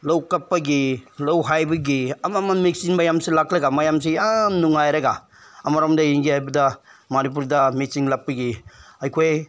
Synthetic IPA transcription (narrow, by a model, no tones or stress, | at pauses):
lɐwkɐpːɐɡilɐwɦajbɐɡiɐmamɐnmiksiŋmɐjamsilaklɐɡamɐjamsijamnuŋajɾɐɡa | ɐmɐɾamdɐjiŋɡihajbɐdɐmɐnip̬uɾdɐmik̚siŋlɐp̚ːɐɡiɐjkʰoj